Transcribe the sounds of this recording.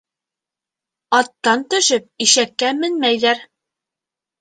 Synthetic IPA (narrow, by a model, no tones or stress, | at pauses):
ɑt̪ːɑnt̪ɵ̆ʃɘp̚iʃækːæmɘnmæjðæɾ